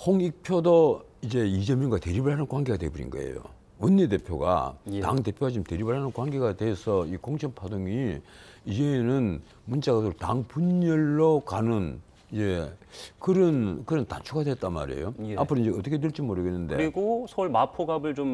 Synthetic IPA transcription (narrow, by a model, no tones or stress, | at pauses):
hoŋik̚pʰjodoid͡ʑe̞id͡ʑemjʌŋɡate̞ɾibɯɭhanɯnkwaŋɡe̞ɡadwebuɾḭnɡʌ̰ḛjo̰ | ʌnːede̞pʰjoɡa̰ta̰ŋte̞pʰjoɡat͡ɕomte̞ɾibɯɭhanɯnkwaŋɡe̞ɡadweːsʰʌikoŋt͡ɕʰʌŋpʰadoŋiid͡ʑe̞nɯn | munt͡ɕ͈aɡadotaŋpuɲːʌɭːokanɯn | id͡ʑe̞kɯɾʌnkɯɾʌnta̰nt͡ɕʰuɡadwet͈anma̰ɾḛjo̰apʰɯɾoiɲd͡ʑeʌt͈ʌkʰet̬eɭt͡ɕ͈imoɾɯɡenːɯnde̞ɾiɡosʰʌuɭmapʰoɡabɯɭt͡ɕom